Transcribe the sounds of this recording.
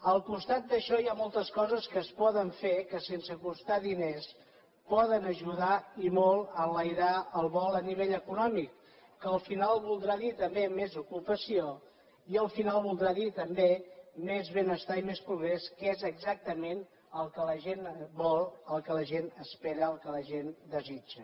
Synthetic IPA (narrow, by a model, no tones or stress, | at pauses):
əlˠkust̪at̪̚d̪əʃɔjamɔlˠt̪əskɔzəskəːspɔðəɱfekəsensəkust̪aðines | pɔðənəʒuðaimolˠələjɾaəlˠβɔlˠəniβ̞eʎəkunɔmikː | əːlˠfinalˠβulˠd̪ɾaðit̪əmbemezukupəsio | iəlˠfinalˠβulˠd̪ɾaðit̪əmbemezβenəst̪aimespɾuɣɾeskezəɡzak̚t̪əmen | əlˠkələʒenbɔlˠəlˠkələʒenəspeɾəəlˠkələʒend̪əzid͡ʒə